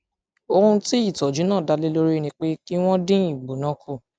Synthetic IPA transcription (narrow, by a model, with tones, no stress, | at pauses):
o˧ũ˧ti˦i˦˨tɔ˨d͡ʒu˨˦nãː˦˨da˧˦le˦lo˦ɾi˦˧nĩ˧k͡pe˦ki˦w̃ɔ̃˦dĩ˦i˦˨ɡ͡bo˨nã˨˦kʰu˦˨